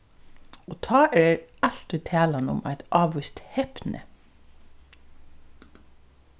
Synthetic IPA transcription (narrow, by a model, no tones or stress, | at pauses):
oːt̪ʰɑːʔeːɹɑlt̪ʉt̪ʰæːlɑnʊ̰mæ̰ɪt̪ʔɑːʋʉst̪hepnʔə̰